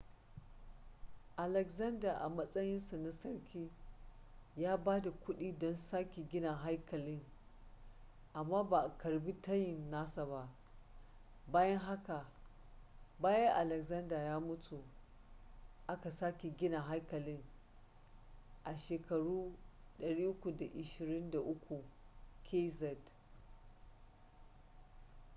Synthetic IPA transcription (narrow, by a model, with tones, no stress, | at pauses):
ʔa˨lɛ˨kzɐ˦ndaː˨ʔa˨mɐ˦sʼɐ˦jɪ˦nsa˨na˦sɐ˦ɽkʲʰiː˦ | jaː˦baː˦da˨kʷʊ˦ɗiː˦dɔ˦nsaː˦kʲi˨ɡʲɪ˦na˨ɦa˦jkɐ˨lɪ˦ŋ | ʔa˨mːaː˦ba˨kɐ˨ɽbi˦tɐ˦jɪ˨nːaː˦sa˨ba˦ʔ | baː˦jɐ˦ŋɦa˦ka˨ | baː˦jɐ˦ŋʔa˨lɛ˨kzɐ˦ndaː˨jaː˦mʊ˦tʰu˨ | ʔa˦ka˨saː˦kʲi˨ɡʲɪ˦na˨ɦa˦jkɐ˨lɪ˦ŋ | ʔa˨ʃeː˨kɐ˨ɽuː˦ɗɐ˨ɽiː˦ʔʊ˦kʷu˨da˨ʔɪ˨ʃɪ˨ɾɪ˦nda˨ʔʊ˦kʷu˨kʰe˦zɛ˨d